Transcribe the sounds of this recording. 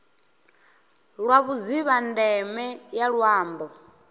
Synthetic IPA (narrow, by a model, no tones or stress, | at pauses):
ɺwaβuziβandɛmɛjaɺwaːmbɔ